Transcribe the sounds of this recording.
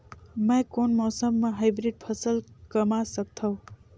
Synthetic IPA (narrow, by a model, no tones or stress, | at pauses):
məjkonmɔːsəmːaɦajbɾiɖ̚pʰʌsəlkəmasək̚t̪ʰʌw̃